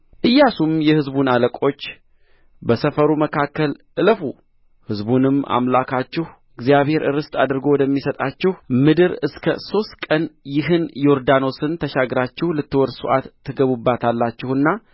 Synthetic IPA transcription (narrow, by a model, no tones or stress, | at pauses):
ʔɨjːasumjɛhɨzbunaləkʼo̞t͡ʃː | bəsəfəɾuməkʰakːəlʔɨləfu | hɨzbunɨmʔa̰mlakʰat͡ʃːɪh | ɨɡzijaβhe̞ɾʔɨɾɨst̪ʼad̪ɨɾɡo̞wɔd̪əmːisət̪ʼat͡ʃːɪhmɨd̪ɨɾɨskʰə̰so̞st̪kʼənjɪɦɨnjo̞ɾd̪ano̞sɨnt̪ʰəʃaɡɾat͡ʃːɪhlɨt̪ːɨwɔɾsuʔat̪ʰːɨɡəβubːat̪ʰalːat͡ʃːɪhɨnːa